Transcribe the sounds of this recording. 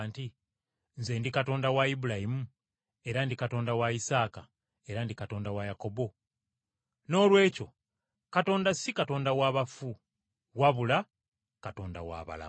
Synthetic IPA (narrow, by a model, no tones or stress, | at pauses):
nti | nze̞ːndikato̞ːndawaibulahimu | e̞ɾandikato̞ːndawaisaːka | e̞ɾandikato̞ːndawajako̞bo̞ | no̞ːlwe̞ːco̞ | kato̞ːndasikato̞ːndawaβafu | waβula | kato̞ːnda̰wa̰ːβa̰la̰